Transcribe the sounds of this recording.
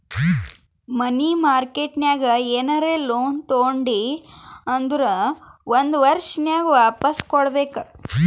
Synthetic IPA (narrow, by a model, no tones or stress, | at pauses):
mɐnimaːɾkeːʈnjaːɡɐeːnɐɾeːloːnt̪oːɳɖi | ɐnd̪ɾɐʋond̪ʋɐɾʃnjaːɡɐʋaːpɐskɔɽɐbeːkɐ